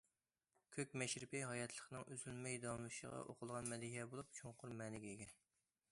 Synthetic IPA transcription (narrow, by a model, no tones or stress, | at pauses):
kʲʰøkʲmɛʃɾɪpɪɦɑjɛt̪ʰlˠəχnɨŋʔyzylmɛjd̪ɑmluʃə̰ʁɑ̰ʔo̰qʰʊlˠʁɑnmɛd̪iɦiɛbolˠup̚t͡ʃʰoŋqʰʊɾmɛːnɪɡʲɛiɡʲɛ